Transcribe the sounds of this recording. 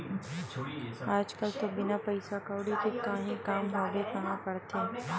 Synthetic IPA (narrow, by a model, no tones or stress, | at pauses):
aːd͡ʒkəlt̪obɪnapɐɪsakəːɽikekaɦĩkaːmɦoːɡekɐɦãkɐɽt̪ẽː